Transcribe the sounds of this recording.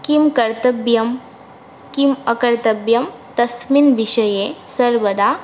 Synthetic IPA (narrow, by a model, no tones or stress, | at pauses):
kimkɐɾt̪ɐbjɐm | kiməkɐɾt̪ɐbjɐm | t̪ɐsminʋiɕɐjesɐɾʋəd̪a